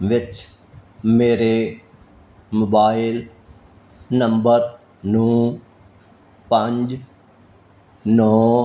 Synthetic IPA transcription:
ʋɪt͡ʃ | meːɾe | moːbaːɪl | nɐ̃mbəɾ | nũː | pɐ̃ɲd͡ʑ | nɔː

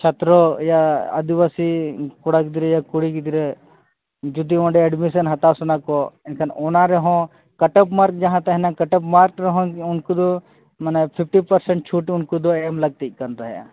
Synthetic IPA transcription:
t͡ʃʰɐt̪ɾojaɐ̰d̪iʋasikuɽakd̪iɾejakuɽikd̪iɾe | d͡ʒud̪iɔ̃ɳɖeɛɖmisɐnɦɐt̪asunakoɪnkʰɐnoːnaɾeɦõ | kɐʈəpmaːɾk̚d͡ʒɐɦãt̪ɐɦnãkɐʈəpmaɾkɾɐɦõʊnkud̪o | mɐnepʰɪp̚ʰʈipɐɾsɛɳʈ̚t͡ʃʰuʈʊnkud̪oemlɐɡ̚t̪ik̚kɐnt̪aɦja̰

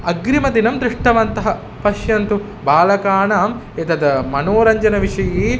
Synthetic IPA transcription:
ɐɡɾimɐd̪inɐmd̪ɾiʂʈɐʋɐnt̪ɐɦɐ | pɐʃjɐnt̪u | baːlɐkaːɳaːm | et̪ɐd̪ɐmɐnoːɾɐɲd͡ʒɐnɐʋiʂɐjiː

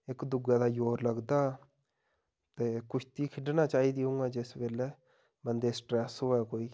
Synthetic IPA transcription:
ɪkd̪ʊɡɛːd̪aːjoːɾləɡd̪aː | t̪eːkʊt͡ʃʰt̪iːkʰɪɖnaːt͡ʃaːiːd̪iːɦũŋɡaːd͡ʒɪsʋeːlɛː | bənd̪eːsʈɾɛːsɦoːɛːkoːiː

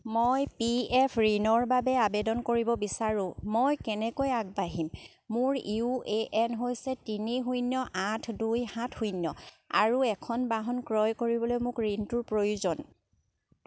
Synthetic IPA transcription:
mojpiɛpʰɹinɔɹbabɛabɛdɔnkoɹibɔbisaɹʊ̃mojkɛnɛkojaɡ̚baɦimː | ʊɹiueʔɛnɦojsɛtiniɦujnjɔʔatʰdujhãtʰhujnjɔ | a̰ɹuɛkʰɔnbaɦɔnkɹɔjkoɹibɔlojmʊkɹintʊɹpɹojuzɔn

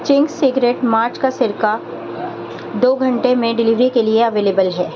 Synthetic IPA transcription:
t͡ʃɪ̃ŋɡsɪɡɾeːʈmaːɾt͡ʃkasɪɾka | d̪oːɡʱɐ̃ɳʈemẽɖɪlɪːʋɾikelieɐʋeːleːbəlɦɛː

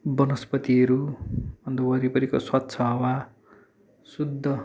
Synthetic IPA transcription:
bʌnʌspʌt̪iʌɾubʌnd̪ʌwʌɾipʌɾikoswat̪ːsʰʌɦʌwa | sud̪ʱːʌ

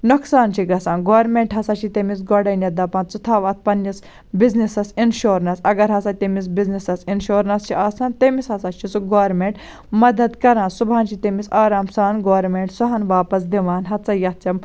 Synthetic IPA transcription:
nuksaːnt͡ʃʰiɡɐsaːnɡoːɾmeɳʈɦɐsat͡ʃʰit̪emis̬ɡoɖɐnʲɐd̪ɐpãːnt͡sut̪ʰaːʋɐt̪̚ʰpɐnːis | biznisɐsinʃoːɾnɐsɐɡɐɾɦɐsat̪ʲemis̬biznisɐsinʃoːɾnɐst͡ʃʰiʔaːsaːnt̪ɐmisɦɐsat͡ʃʰit͡suɡoːʋɾmeɳʈ | mɐd̪ɐd̪kɐɾãːnsubʱaːnt͡ʃʰit̪emisaːɾaːmsaːnɡoːɾmeɳʈsɔɦɐnʋaːpɐsd̪iʋaːnɦɐtt͡sɐjɐt̪̚t͡ʃɐm

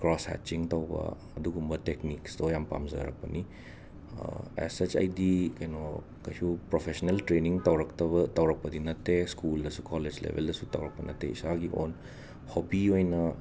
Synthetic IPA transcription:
kɾɔsha̰t͡ʃiŋt̪awba̰ | dukumbət̪ɛknikst̪ojampa̰mzə̰ɾa̰k̚pəni | ə̰ɛ̰sət͡ʃa̰jdikajno | kat͡ʃupɾɔfɛʃɔnəlt̪ɾeniŋt̪awɾək̚t̪abət̪awɾak̚pədinat̪eskuld̪əsukʰɔled͡ʒlɛ̰və̰ldəsut̪awɾak̚pənat̪ɛsaɡiʔɔ̰n | hɔbiojna

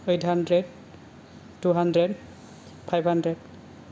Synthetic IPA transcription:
ejthandɹɛd̚ | tːuɦandɹɛd | pʰajbʱhandɹɛd

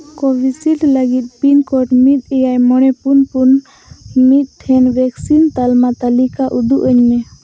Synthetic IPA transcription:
kɔbisilləɡit̪̚pinkɔʈmit̪̚ˀɛjajmɔɽ̃ɛpunpun | mit̪̚ˀʈʰɛnbɛksint̪almat̪alikaʔud̪uʔəɲmɛ

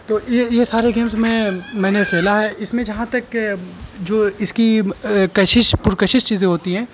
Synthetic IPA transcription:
t̪oːjejesaːɾeɡeːmzmẽmɛ̃ːnekʰɛːlaɦɛʔɪsmẽd͡ʒɐɦãt̪ɐk | d͡ʒoːɪskikɐʃɪʃpʊɾkəʃɪʃt͡ʃiːzẽɦoːt̪iɦɛ̃ː

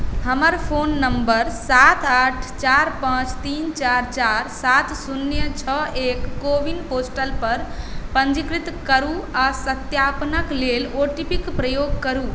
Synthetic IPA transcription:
həməɾpʰonːəmbəɾsat̪ʰaʈʰt͡ʃaɾpãt͡ʃt̪int͡ʃaɾt͡ʃaɾsat̪sunjət͡ʃʰəekːobinposʈəlpəɾpə̃ɲd͡ʒikɾit̪kəɾuasət̪japnəkleloʈipikpɾəjoɡkəɾu

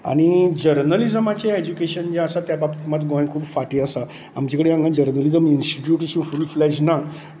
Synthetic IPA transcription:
a̰ɽ̃id͡ʑəɾnəlid͡zəmat͡ɕeed͡ʑukeɕənd͡ʑaəsat̪jababt̪imat̪ɡɔ̃jnkʰuːbfaʈiəsa | amt͡ɕekəɽeãŋɡãd͡ʑəɾnəlid͡zəminsʈiʈjuʈəɕĩfuliflɛɕna

